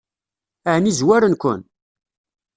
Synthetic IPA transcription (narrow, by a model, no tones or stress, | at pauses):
aʕnizwæɾənkʷʊ̰n